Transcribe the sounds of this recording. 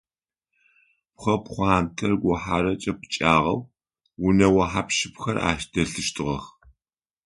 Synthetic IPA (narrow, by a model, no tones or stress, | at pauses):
pχʷɐpχʷɑːnkʰɐrɡʷʊħaɾɐt͡ʃʼɐpʰɨt͡ʃʼaːʁɐw | wʊnɐwɐħapʃɪpxɐrʔa̰ːʃd̥ɐɬɨʃtʰʼɨʁɐx